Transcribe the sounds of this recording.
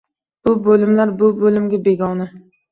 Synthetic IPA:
b̥ʊbolɪmlaɾbʊbolɪmɡʲabe̞ɡʲɒna

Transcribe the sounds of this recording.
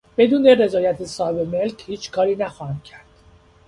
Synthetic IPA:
b̥e̞d̪uːnere̞zɒːjæt̪ʰesɒːhebeme̞lcʰhiːt͡ʃʰkʰɒːɾiːnæxɒhæmcʰæɾd̪̥

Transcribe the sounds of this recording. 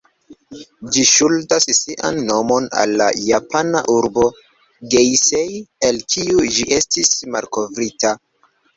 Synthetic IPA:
d͡ʒiʃultasːiʔa̰nːo̞mo̞na̰lːa̰japʰanaʔuɾbo̞ | ɡejsejelkʰiud͡ʒiʔe̞stismalko̞vɾita

